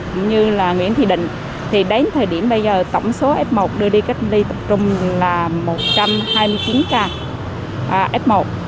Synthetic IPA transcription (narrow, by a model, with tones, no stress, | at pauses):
kʊ̰˧˥ŋ͡mɲɨ˧laː˨˩ŋwi˧˥ənt̪ʰḭ˧˨ɗḭ̈˧˨ŋ̟ | t̪ʰi˨˩ɗə˨˦jŋt̪ʰəː˨˩jɗi˧˩əmɓə˧jzəː˨˩t̪ə̰˧˩wŋ͡mso˨˦ʔɛː˦˥p̚mo˨˩t̚ɗɨ˧əɗi˧ka˦˥jk̟̚li˧t̪ə˨˩p̚t͡ɕʊ˧ŋ͡mlaː˨˩mo˨˩t̚t͡ɕa˧mhaː˧jmɨ˧əjt͡ɕi˨˦nkaː˧˩ | ʔːʔɛ˦˥p̚mo˨˩t̚